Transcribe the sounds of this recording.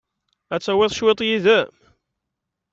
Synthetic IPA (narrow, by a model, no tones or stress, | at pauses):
æt͡sːæwɪðˤʃwet̪ˤjiðæ